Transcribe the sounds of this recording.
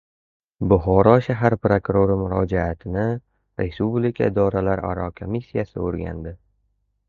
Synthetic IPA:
bʊɦɒɾɒʃaɦaɾpɾokʊɾoɾɪmʊɾɒd͡ʒaat̪ʰɪnɪ | ɾʔespublikʲʰaɪd̪ɒɾalaɾa̰ɾɒkʰomisːijasɪ̰oɾɡʲa̰nd̪ɪ

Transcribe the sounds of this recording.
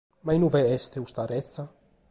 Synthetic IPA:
majnuvɛɛst̪eust̪aɾɛt̪θa

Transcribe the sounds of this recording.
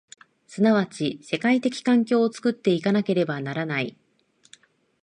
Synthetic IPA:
sɨnaβ̞at͡ɕise̞kait̪e̞kʲi̥kãŋkʲo̞ːt͡sɨ̥kɯ̟t̪ːe̞ikanake̞ɾe̞banaɾanai

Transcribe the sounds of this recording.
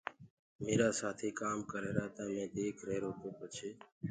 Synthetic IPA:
meːɾaːsaːt̪ʰiːkaːmkəɾeːɾaːt̪ãːmẽːd̪eːkʰɾeːɾoːkoːpət͡ʃʰeː

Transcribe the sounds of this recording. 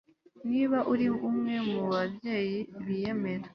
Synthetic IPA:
niːβaʔuɾiβumŋe̞muβabje̞ːjiβije̞me̞ɾa

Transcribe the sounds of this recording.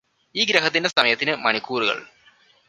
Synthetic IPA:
iːɡɾɐɦɐt̪ːinde̞sɐmɐjɐt̪ːinɨmɐɳikːuːruɣɐ̰ɭ

